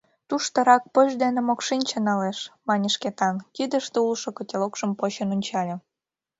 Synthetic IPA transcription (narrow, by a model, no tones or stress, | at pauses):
t̪uʃt̪ɤ̆ɾɑk̚pəʒd̪enĕmokʃinʲt͡ɕə̆nɑleʃmɑnʲəʃket̪ɑnkid̪ə̆ʃt̪eulʃokə̆tʲelokʃə̆mpot͡ɕənonʲt͡ɕɑlʲĕ